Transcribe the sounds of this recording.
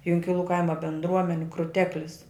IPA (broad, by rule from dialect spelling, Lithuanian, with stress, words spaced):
jʊŋʲkʲɪˈlˠuː ˈkɐɪmɐ bʲɛndˈruɔmʲɛnʲɪ krʊˈtʲæːklʲɪs